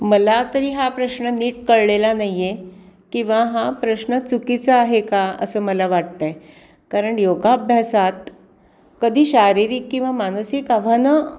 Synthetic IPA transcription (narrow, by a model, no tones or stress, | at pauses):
məlat̪əɾiːɦapɾəɕnəniːʈkəɽɭelanajekĩw̃ʋaɦapɾəɕnət͡sukit͡səaɦekaə̰səːməlaʋaʈ̚t̪a | kaɾəɳjoɡabʱjasat̪ | kəd̪ʱiːɕaɾiɾiːkːĩw̃ʋamansikaʋ̤anə